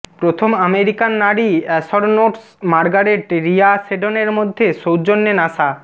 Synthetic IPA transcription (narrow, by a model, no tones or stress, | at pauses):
pɾot̪ʰomameɾikanːaɽiɛsɔɾnoʈs | maɾɡaɾeʈɾiaseɖoneɾmod̪ʱːeʃowd͡ʑonːenaʃa